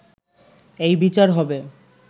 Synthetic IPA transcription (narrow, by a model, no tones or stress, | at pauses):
ejbit͡ɕaɾɦɔbe